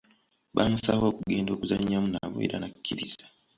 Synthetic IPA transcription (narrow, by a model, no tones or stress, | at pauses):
βamusaβo̞ːkuɡe̞ːndo̞ːkuzaɲːamunaβo̰e̞̰ɾa̰nakʰʲːiɾiz̥ḁ